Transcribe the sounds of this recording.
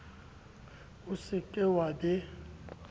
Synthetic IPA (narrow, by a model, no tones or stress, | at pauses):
ʊsɪkʼɪwadɪ